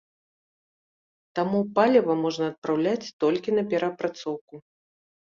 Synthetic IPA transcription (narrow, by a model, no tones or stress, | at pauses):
t̪amupalʲɛvɐmɔʐnɐːt̪̚pɾawlʲat͡sʲt̪ɔlʲkʲinɐpʲɛɾɐpɾat̪sɔwku